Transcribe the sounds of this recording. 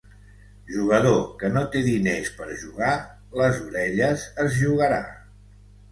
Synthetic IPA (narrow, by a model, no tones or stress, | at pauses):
ʒuɣ̞əðokənot̪eðinespəɾʒuɣa | ləzuɾɛʎəzəzʒuɣəɾa̰